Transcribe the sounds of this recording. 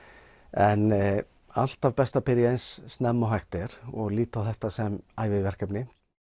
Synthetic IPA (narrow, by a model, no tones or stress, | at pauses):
ɛn | al̥t̪avpɛst̪apɪɾjejnsːnɛmːɔɦajht̪ɪɾ̥ɔɣliːt̪awθɛht̪asɛmajvɪðvɛr̥kœpnɪ